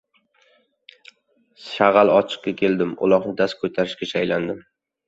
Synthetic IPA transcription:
ʃaʁalˠɒt͡ʃʰɨ̥qkʲakʲʰe̞ld̪ɪmʊ̰lˠɒʁnɪd̪as̚kʰot̪ʰaɾɪʃkʲaʃʰajland̪ɪm

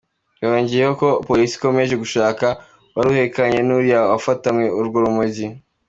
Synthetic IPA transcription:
waɾoːɲɟijehoko̞polisi̥ko̞me̞ʒe̞ɡuʃaːka | waɾuhe̞kaɲe̞nuɾijawafatamŋeuɾɡoɾumuɟi

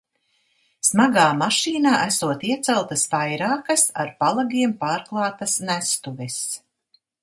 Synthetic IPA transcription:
smaɡaːmaʃiːnaːʔæsuɔt̪iɛt̪sɛlˠt̪ɐsvajɾaːkɐsa̰ɾpalˠaɡiɛmpaːɾklˠɑːt̪ɐsnæst̪uvɛs

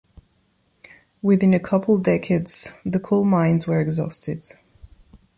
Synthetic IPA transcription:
wɪðɪ̃nəkʰʌpʰəl̩ˠdɛkʰədz̥ðəkʰɔlˠmãɪ̃nzwə˞ɛɡzɔstɪd̥

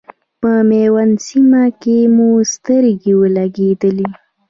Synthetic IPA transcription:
pəmewansimakemust̪əɾɡiwəlaɡed̪əli

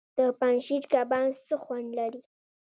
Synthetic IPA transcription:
d̪̥əpanʃid͡ʒkabɑnsəxwand̪laɾi

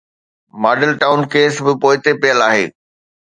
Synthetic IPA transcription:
maːɖəlʈaːʊnkeːsbɪpoːɪt̪epijəlaːɦḛː

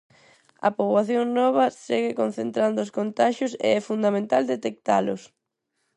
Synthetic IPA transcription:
ɐ̰poβwaθjoŋnɔβ̞ɐsɛɣɪkon̟θent̪ɾand̪oʊskont̪aʃʊsḛɛfund̪amẽnt̪ald̪et̪ek̚t̪a̰lʊ̰s

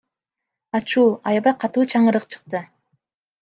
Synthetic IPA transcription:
ɑt͡ʃuːɑjɑβɑjqʰɑt̪uːt͡ʃʰɑɴɯɾɯqt͡ʃʰɯ̥q̚t̪ɯ

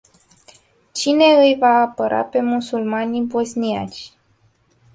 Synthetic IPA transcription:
t͡ʃine̞ɨjvaːpəɾʔa̰pe̞musulmanʲibo̞znia̰t͡ʃʲ

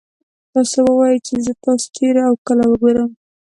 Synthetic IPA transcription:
t̪ɑsowəwɑjət͡ʃezət̪ɑso̥ʈeɾaawkəlawəɡoɾəm

